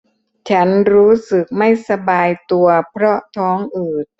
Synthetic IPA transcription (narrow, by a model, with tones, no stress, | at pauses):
t͡ɕʰa˦˥nɾuː˦˥sɯ˨˩k̚ma˥˩jsa˧baː˧jt̪u˧ɐpʰɾɔ˦˥t̪ʰɔː˦˥ŋʔɯː˨˩t̪̚